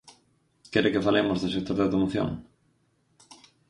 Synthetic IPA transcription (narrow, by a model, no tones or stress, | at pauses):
kɛɾɪkɪfalemozðsek̚t̪oɾðawt̪omoθjo̰ŋ